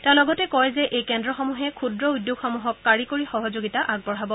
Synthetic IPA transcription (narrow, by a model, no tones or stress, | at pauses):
tɛ̃ʊ̃lɔɡɔtɛkɔɹɛzɛʔejkɛndɹɔxɔmuɦɛkʰudɹɔujdjoɡxɔmuɦɔkːaɹikoɹixɔɦɔzoɡitaʔaɡ̚bɔɹɦabɔ